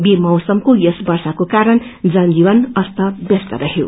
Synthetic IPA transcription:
bemʌwsʌmkojʌsbʌrsakokaɾʌnd͡zʌnd͡ziwʌnʌst̪ʌbjʌst̪ʌɾʌɦjo̰

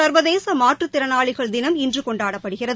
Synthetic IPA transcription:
ɐɾʋɐðeːsɐmaːʈrɯt̪ːɪɾɐnaːɭɪɣɐɭd̪ɪnɐmɪndrɯkɔɳɖaːɽɐpːɐɽɯɣɪrɐð

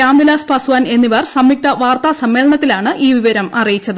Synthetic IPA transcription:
aːmbilaːspɐsuʋaːne̞nːiʋɐrsɐmːik̚t̪ɐʋaːrt̪aːsɐmːe̞ːlɐɳɐt̪ːilaːɳɨʔiːʋiʋɐɾɐmɐrijit͡ɕːɐðɨ

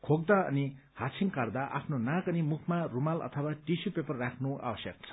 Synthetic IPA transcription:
kʰoɡd̪aʌ̰ni | hasʰiŋkʌrd̪aʔa̰pʰnonãkʌnimukʰmarumalʌ̰t̪ʰʌwaʈisupepʌrːakʰnoʔa̰wʌsjʌk̚t͡sʰʌ̥

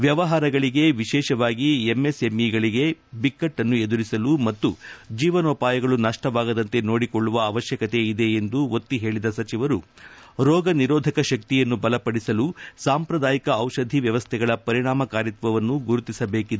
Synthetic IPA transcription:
ʋjɐʋɐɦaːɾɐɡɐɭiɡe̞ʋiʃɛːʃɐʋaːɡiemːe̞semiɡɐɭiɡe̞bikːɐʈːɐnːue̞d̪uɾisɐlumɐt̪ːud͡ʒiːʋɐnoːpaːjɐɡɐɭunɐʂʈɐʋaːɡɐd̪ɐnt̪e̞no̞ːɽikoɭːuʋɐːʋɐʃjɐkɐt̪e̞id̪e̞ːnd̪uo̞t̪ːiɦe̞ːɭid̪ɐsɐt͡ʃiʋɐɾuɾɔːɡɐniɾɔːd̪ʱɐkɐʃɐk̚t̪ijɐnːubɐlɐpɐɽisɐlusaːmpɾɐd̪aːjikɐːwʃɐd̪ʱiʋjɐʋɐst̪ʰɛɡɐɭɐpɐɾiɽaːmɐkaːɾit̪ʋɐʋɐnːuɡuɾut̪isɐbeːkid̪e

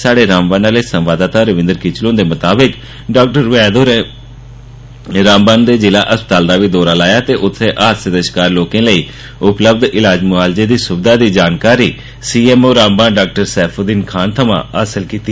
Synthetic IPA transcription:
saːɖeːɾaːmbaːnaːleːsə̃mʋaːd̪aːt̪aːɾəʋɪ̃nd̪əɾkɪt͡ʃlõːnd̪eːmət̪aːbɪk | ɖaːk̚ʈəɾʋɛːd̪oːɾe | ɾãːmbaːnd̪eːd͡ʒɪlaːʔəspə̥t̪aːld̪aːʋiːd̪ɔːɾaːlaːjaːt̪eːʔʊt̪ʰːeːʔaːt̪səd̪əʃkaːɾloːkẽːləiː | ʊpləb̚d̪ɪlaːd͡ʒmʊaːlzeːd̪iːsʊbd̪aːd̪iːd͡ʒaːnkaːɾiː | siːɛːmoːɾãːmbãːnɖaːk̚ʈəɾsɛːpʰoːd̪iːnkʰaːnt̪ʰəmã̰ːəsəlkiːt̪i

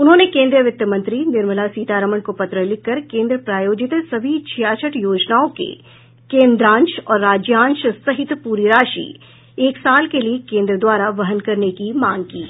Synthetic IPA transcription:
ʊnɦõːnekẽːnd̪ɾijəʋɪt̪ːəmɐ̃nt̪ɾinɪɾməlasiːt̪aːɾəməɳkopɐt̪ɾəlɪkːɐɾkẽːnd̪ɾəpɾaːjoːd͡ʒɪt̪sɐbʱit͡ʃʰijaːt͡ʃʰəʈjoːd͡ʒnaːõkḛ | kẽːnd̪ɾãːnʃɔːɾːaːd͡ʒjãːnʃsɐɦɪt̪puːɾiɾaːʃḭː | eːksaːlkeliekẽːnd̪ɾəd̪waːɾaʋɐɦənkɐɾnekimãːŋɡ̚kiː

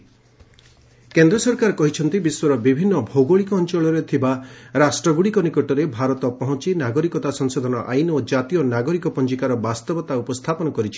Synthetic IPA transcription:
kend̪ɾɔsɔɾkaɾɔkɔɦit͡ʃʰɔnt̪ibiswɔɾɔbibʱinːɔbʱoɡoɭikɔːnt͡ʃɔɭɔɾet̪ʰibaɾasʈɾɔɡuɽikɔnikɔʈɔɾebʱaɾɔt̪ɔpɔɦɔ̃t͡ʃinaɡɔɾikɔt̪asɔŋsod̪ʱɔnɔʔajnod͡ʒat̪ijɔnaɡɔɾikɔpɔnt͡ʃikaɾɔbast̪ɔbɔt̪aupɔst̪ʰapɔnɔkɔɾit͡ʃʰi̥

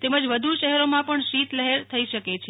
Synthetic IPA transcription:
t̪eməd͡ʒʋəd̪ʱuʃəɦɛɾomãpəɳʃit̪ləɦeɾt̪ʰəiʃəket͡ʃʰe

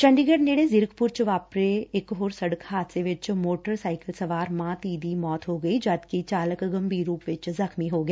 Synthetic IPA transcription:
t͡ʃə̃ɳɖiɡəɖneːɽezɪɾəkpʊɾt͡ʃʋaːpɾeɪkɦoːɾsɐɽəkɦaːt̪seʋɪt͡ʃmoːʈəɾsaːɪkəlsɐʋaːɾmãːt̪iːd̪imɔːt̪ɦoːɡəid͡ʒaːd̪kit͡ʃaːləkɡəmbʱiːɾuːpʋɪt͡ʃzəxmiɦoːɡəeː

